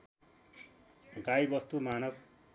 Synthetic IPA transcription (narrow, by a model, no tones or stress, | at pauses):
ɡajbʌst̪umanʌb